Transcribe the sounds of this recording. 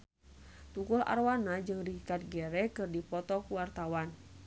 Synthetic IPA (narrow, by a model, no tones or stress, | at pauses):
t̪ukula̰rwanad͡ʒɨŋdikat̪̚ɡɛɾɛkɨrdipɔt̪ɔkuwart̪awan